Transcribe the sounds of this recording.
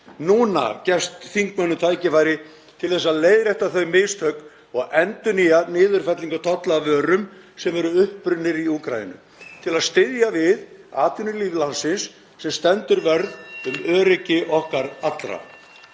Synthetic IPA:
nuːna̰cɛst̪θiŋkmœnːʏt̪ʰaːjcɪfajɾɪ | t̪ʰɪlθɛs̬ːaðleːjðɾɛjht̪aθœɥmɪst̪hœɥk̪ | ɔɣɛnt̪ʏnianɪːðʏɾ̥fɛt̪liŋkat̪ʰɔt̪laːvœːɾʏm | sɛmvɛɾʏʏhpɾʏnːɪɾiukɾa̰jɪ̰nʏ̰ | t̪ʰɪlaðst̪ɪðjavɪðaːt̪ʏnʏliːvlansɪnsː | ɛmst̪ɛnt̪ʏɾvɛɾðʏmœːɾɪcɪʔɔhkaɾat̪lɾa̰

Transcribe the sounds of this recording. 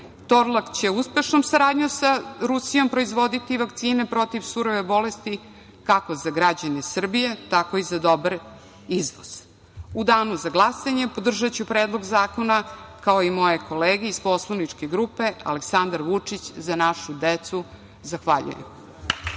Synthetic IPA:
t̪o̞ɾlˠakt͡ɕe̞uspe̞ʃnomsaɾaːd̪ɲusaɾusijo̞mpɾo̞izʋod̪it̪iʋakt̪siːne̞pɾo̞t̪iʋsuɾoʋe̞bo̞lest̪i | kako̞zaɡɾad͡ʑanesr̩bije̞t̪ako̞izad̪o̞baɾ | iznos | ud̪aːnuzaɡlˠasaɲe̞po̞d̪r̩ʒat͡ɕupɾeːd̪lˠo̞ɡzaːko̞nakaoimo̞jekʰo̞leːɡeispo̞slˠanit͡ʂkeɡɾupe̞a̰leksand̪aɾʋut͡ʂit͡ɕzanaʃud̪et̪su | zaxʋaʎṵjḛm

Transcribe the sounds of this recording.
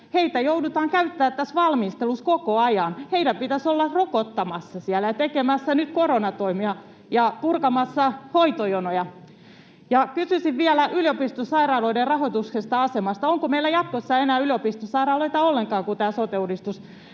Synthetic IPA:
heit̪æjoudut̪ɑːŋkæyt̪ːæːt̪ːæsʋɑlmist̪eluskokoɑjɑnheidæmpit̪æsolːɑrokot̪ːɑmɑsːɑsiælːæjɑt̪ekemæsːænyt̪koɾonɑt̪oimiɑ | jɑpurkɑmɑsːɑhoit̪ojonojɑ | jɑkysysiʋʋiælæʔyliopist̪osɑirɑːloiderrɑhot̪uksest̪ɑɑsemɑst̪ɑoŋkomeilːæjɑt̪̚kosːɑenæːyliopist̪osɑirɑːloit̪ɑolːeŋkɑːkut̪æːsot̪eudist̪us

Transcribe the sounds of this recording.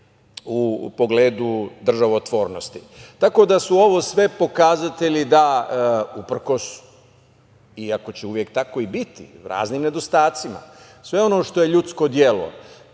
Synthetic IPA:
upo̞ɡleːd̪ud̪r̩ʒaʋoot̪ʋo̞ːɾno̞st̪it̪ako̞d̪asuo̞ʋo̞ːsʋe̞po̞kazat̪e̞ʎid̪a | upr̩ko̞s | iako̞t͡ɕeuʋje̞k̚t̪ako̞ibit̪ḭɾa̰ːzniːmne̞d̪o̞st̪aːt̪sima̰ | sʋe̞o̞noʃt̪oje̞ʎut̪sko̞d̪je̞lo̰

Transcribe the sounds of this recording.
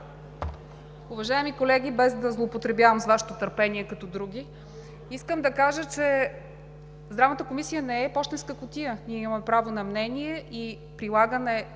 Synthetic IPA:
ʊvɐʒaɛmikolɛɡʲibɛzd̪ɐzlˠoːpot̪ɾɛbjavəmzvaʃɛ̥t̪ot̪əɾpɛniɛkɐt̪ɔd̪ɾuɡʲi | iskəmd̪ɐkaʒət͡ʃɛ | zd̪ɾavnət̪əkomisijənɛɛpɔʃt̪ɛnskəkʊt̪iəniɛimɐɐmɛpɾavonɐmnɛniɛʔi | pɾilˠaɡənɛ

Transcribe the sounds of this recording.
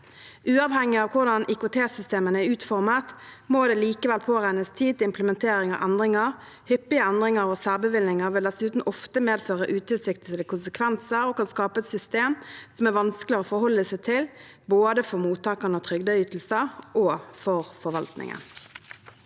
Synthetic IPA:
ʔʉːɑʋhɛŋːɪɑʋkʰʊʁd̪ɑnʔɪkʊt̪ʰeːsʏst̪eːmənəæɾʉːt̪fɔʁmət̪moːd̪ɛːliːkəʋɛlpʰoːʁæɪnəst̪ʰiːd̪t̪ɪmpləmɛnt̪ʰeːɾɪŋɑ̰ʋʔɛnd̪ʁɪŋəʁ | hʏpːɪəɛnd̪ʁɪŋɑɾosæːʁbəʋɪlnɪŋəʁʋɪld̪ɛsʉːt̪n̩ʔɔft̪əmeːd̪føːʁəʔʉːt̪ʰɪlsɪkt̪ɪd̪əkʰʊnsəkʰʋɛnsəɾoːkʰɑnskɑːpəɛt̪sʏst̪eːmsɔmæʁʋɑnskəlɪəʁoːfɔɾhɔlːəsæɪt̪ʰɪl | boːd̪əfɔʁmuːt̪ʰɑːkənəot̪ʰʁʏɡd̪ɑyːt̪l̩səʔoːfɔʁfɔɾʋɑlt̪nɪ̰ŋə̰n

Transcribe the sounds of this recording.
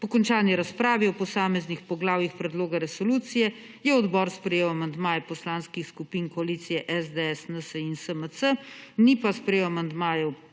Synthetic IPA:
pɔkɔnt͡ʃaːniɾaspɾaːʋiɔpɔsaːmɛznixpɔɡlaːwjixpɾɛd̪loːɡaɾɛsɔluːt̪sijɛ | jɛɔd̪bɔɾspɾɛjeːwamand̪maːjɛpɔslanskixskupinkɔaliːt̪sijɛʔɛzd̪eɛsnəsəinsəməsənipaspɾɛjeːwamand̪maːjɛ

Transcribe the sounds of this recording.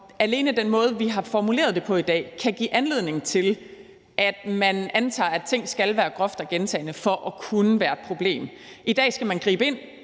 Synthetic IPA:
æle̝ːnəd̥enmɔ̽ːð̞̩ˠʋiɦɑ̈fɒmule̝̰ːɐð̞̥ˠe̝pʰɒ̽id̥ɛ̰ːkʰæɡ̥ḭːʔænle̝ð̰ˠne̝ŋ̩t͡sʰe̝l | ʔæd̥mænænt͡sʰɑ̰̈ːæ̥t͡sʰe̝ŋ̰sɡ̥ælʋæːɐɡ̥ʁɒfd̥ɐɡ̥ent͡sʰɛ̰ɪnəfɒ̽ʔɒkʰunəʋæːɐe̝d̥̚pʰʁo̝b̥le̝̰ːm | id̥ɛ̰ːsɡ̥æmænɡ̥ʁḭːb̥əe̝n̰

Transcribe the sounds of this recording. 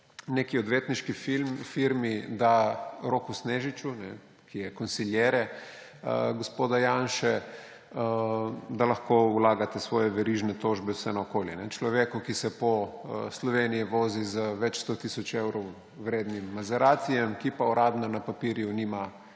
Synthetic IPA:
nekiɔd̪ʋeːt̪niʃkifimfiɾmid̪aɾokusneːʒit͡ʃunɛ | kʰijɛkɔnsiljɛɾɛ | ɡospoːd̪ajanʃɛ | əd̪alɐxkowlaːɡat̪ɛsʋɔːjɛʋɛɾiʒnɛt̪oʒbɛwsɛnaokoːljɛnɛt͡ʃlɔʋeːkukisɛpɔslɔʋenijiʋoːzizəʋɛt͡ʃst̪ot̪isɔt͡ʃewɾɔw | wɾeːd̪nimːazɛɾaːt̪sijɛmkipaɔɾʔaːd̪nanapapiɾjunima

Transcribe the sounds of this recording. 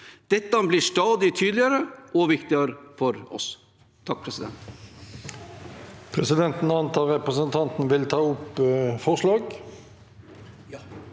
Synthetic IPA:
d̪̥ɛt̪ːəbliʂʈɑːd̪ɪt̪ʰyːd̪lɪəɾəɔʋɪkt̪ɪəɾəfɔɾɔ̰s | t̪ʰɑk̚pʰɾɛsɪd̪ɛ̰nt̪ | pʰʁɛsɪd̪ɛnt̪n̩ɑnt̪ʰɑːʁɛpʁəsənt̪ʰɑnt̪n̩ʋɪlt̪ʰɑːʊpfɔʁslɑːɡ

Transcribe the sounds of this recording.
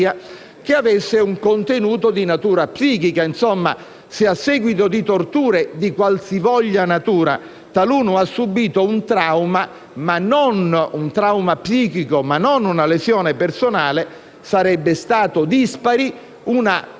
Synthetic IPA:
a | k̟eavesːeuŋkont̪enuːt̪od̪inat̪uːɾapsiːkikainsomːa | sɪasːɛːɡwit̪od̪it̪ort̪uːɾed̪ikwalsivɔʎːanat̪uːɾa̰ | t̪aluːnoasːubiːt̪ount̪ɾawma | manːonunt̪ɾawmapsiːkikomanːonunalezjɔːnepersonaːle | saɾɛbːest̪aːt̪od̪ispaɾi | una

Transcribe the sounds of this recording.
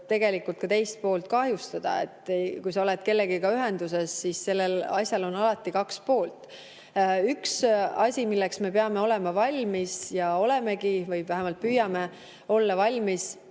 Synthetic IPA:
t̪e̞ɡe̞likult̪̚kɑt̪e̞jst̪̚po̞ːlt̪̚kɑɦjust̪ɑd̪̥ɑ̰e̞̰t̪ːˑekujsɑo̞let̪ke̞lːeɡikɑyɦe̞nd̪̥use̞sːisːe̞lːelɑsʲjɑlo̞nɑlɑt̪ːˑikɑkspo̞ːlt̪ˑ | yksɑsʲimilːeksme̞peɑme̞o̞le̞mɑvɑlʲmisjɑo̞le̞me̞ɡivɯjvæɦemɑlt̪̚pyːjɑme̞ | o̞lːɑvɑlʲmis

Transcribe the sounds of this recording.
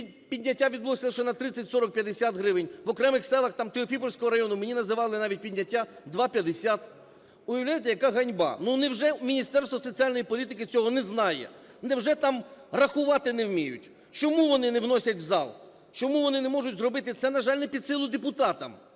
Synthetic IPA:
i | pʲidʲnʲɐtʲːaʋʲid̪blˠɔsʲɪlˠʃɛnɐt̪ɾɪt͡sʲːɐtʲsɔɾɔk̚pʲjɐd̪esʲat̪ɦɾɪʋɪnʲʋɔkɾɛmɪxsɛlˠɐxt̪ɑmt̪eɔfʲipɔlʲsʲkɔɦɔɾɐjɔnʊmenʲinɐzɪʋɑlˠɪnɑʋʲit̚ʲpʲidʲnʲːɐtʲːad̪ʋɑpʲjɐd̪esʲat̪ | ʊjɐwlʲajet̪ɛjɐkɑɦɐnʲbɑ̰nunɛwʒɛmʲinʲist̪ɛrst̪ʋɔsɔt͡sʲiɑlʲnɔjipɔlʲit̪ɪkɪt͡sʲɔɦɔnɛznɑjɛ̰ | nɛwʒɛt̪ɑmrɐxʊʋɑt̪ɪnɛwmʲijʊ̰tʲ | t͡ʃɔmuʋɔnɪnɛwnɔsʲɐtʲʋzɑ̰lˠ | t͡ʃɔmuʋɔnɪnɛmɔʐʊtʲzrɔbɪt̪ɪt̪sɛnɐʒɑlʲnɛpʲid̪sɪlˠʊd̪epʊt̪ɑt̪ɐ̰m

